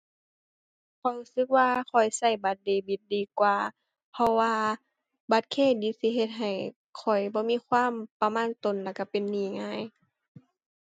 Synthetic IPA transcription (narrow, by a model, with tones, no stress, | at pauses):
kʰɔ˨˩jhuː˧˨sɯ˧˦k̚waː˧kʰɔ˨˩jsa˧˩jba˧˦t̪̚deː˧˩bi˧˦t̪̚diː˨˧kwaː˧ | pʰɔ˧waː˧ | ba˧˦t̪̚kʰeː˧˩˨diː˧˦si˧˦ɦe˧t̪̚ɦa˨˩j | kʰɔ˨˩jbɔː˧˦miː˧˥˨kʰwaː˧˥˨mpa˧maː˧˥˨nt̪o˨nla˧˩ka˧˩pe˨nːiː˨˧˩ŋaː˧˥˨j